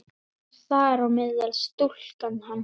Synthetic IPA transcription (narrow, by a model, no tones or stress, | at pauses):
θaɛɾawmɪðɛlst̪ul̥kanːhanː